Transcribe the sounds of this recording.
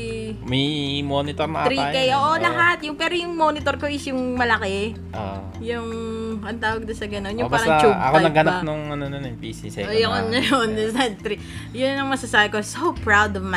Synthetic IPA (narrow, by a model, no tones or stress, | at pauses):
mɐjmonɪt̪oɾnɐ̰ʔɾiakɐjʔoːʔolɐɦat̪̚jʊŋpɛːɾojʊŋmo̞nɪt̪oɾkoʔɪsjʊŋmɐlɐkɛ | ʔo̰ | jʊŋʔɐnt̪aːwɐɡ̚nɐsɐɡɐno̞njʊbasɾɐɐt͡ʃuʔɐ̰konɐɡhɐnap̚nʊŋʔɐnononjŋpiːsisɛojoŋnːɐjonɛsnɐt̪̚t̪ɾi | jʊnnɐŋmɐsɐsaːbɪko̞sowpɹawd̪ɔvma